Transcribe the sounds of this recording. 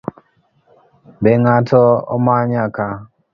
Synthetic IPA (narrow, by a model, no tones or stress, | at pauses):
beŋatɔɔ̰maɲaka